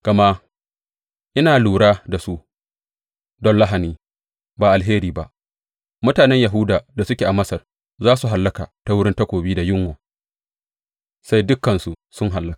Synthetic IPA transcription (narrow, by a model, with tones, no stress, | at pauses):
kɐ˨ma˦ | ʔɪ˦naː˨luː˨ɽaː˦da˨su˦ʔ | dɔ˦nla˦ɦa˨niː˦ | baː˨ʔa˨lɦeː˦ɾiː˨ba̰˦ʔ | mʊ˦taː˨nɛ˦ɲja˨ɦʊ˦daː˨da˨sʊ˦kʲeː˨ʔa˨mɐ˦sɐ˨r | zaː˦su˨ɦa˨lːɐ˦kaː˨ta˦wʊ˦ɽɪ˦nta˦kʷoː˨biː˦da˨jɪ˦ŋwoː˨ | sa˦jdʊ˦kːɐ˨nsu˨sʊ˦ŋɦa˨lːɐ˦kḁ˨